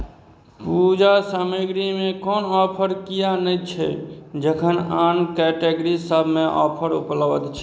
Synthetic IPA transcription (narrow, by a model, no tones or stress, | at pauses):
pud͡ʒasaməɡɾimẽkɔːnɔpʰəɾkijanət͡ʃʰɛ̰d͡ʒəkʰənaːnkɛʈeɡɾisəbʱmẽʔɔ̰ːpʰəɾṵpləbət̪t͡ʃʰɛ